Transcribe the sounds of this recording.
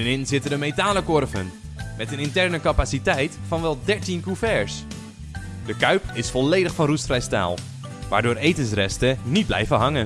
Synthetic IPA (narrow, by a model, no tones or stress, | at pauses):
ənɪnzɪtədəmetaːləkɔrvə̰n | mɛtənɪntɛrnəkapasitɛjtfɑnʋɛlˠdɛɹtinkufɛɹs | dəkœɥpɪsfɔleːdəχfɑnrustfrɛjsta̰ːlˠ | ʋa̰ːɹdʊːɾejtəns̬rɛ̰stənit̚blɛ̰jvəɦɑŋən